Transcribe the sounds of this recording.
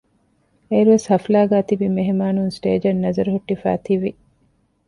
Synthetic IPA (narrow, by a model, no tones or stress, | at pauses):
eːɾuʋeshɐflaːɡæːt̪ibimeɦemaːnunsʈḛːd͡ʒɐnːɐzɐɾuɦuʈːifæ̰ːt̪iʋi